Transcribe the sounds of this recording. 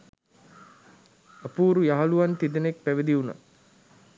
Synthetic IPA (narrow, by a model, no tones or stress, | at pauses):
əpuːɾujaɦɐluʋant̪id̪ənek̚pæʋid̪iuna̰